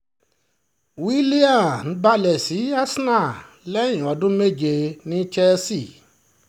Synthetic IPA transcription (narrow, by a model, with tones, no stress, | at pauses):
wi˦li˦a˦˨n̩˨˦ba˦lɛ˨si˨˦a˦sna˦˨ | lɛ˦j̃ĩ˨ɔ˨˦dũ˦me˦˨d͡ʒe˧nĩ˦t͡ʃɛ˦si˦˨